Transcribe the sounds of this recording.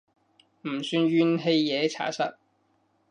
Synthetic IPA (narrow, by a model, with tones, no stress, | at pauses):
m̩˨˩syː˧nɥyː˥nɦe˧jjɛː˨˧t͡sʰa̰ː˨˥sɐ̰˥t̚